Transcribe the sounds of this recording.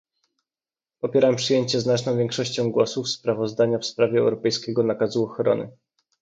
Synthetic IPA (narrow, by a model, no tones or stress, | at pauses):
pɔpʲjɛɾampʂɘjeɲt͡ɕɛznat͡ʂnɔ̃w̃vʲjɛŋkʂɔɕt͡ɕɔ̃w̃ɡwɔsufspɾavɔzd̪aɲafspɾavʲjɛɛ̰wɾɔpɛjskʲɛɡɔnakazuɔxɾɔ̰nɘ̰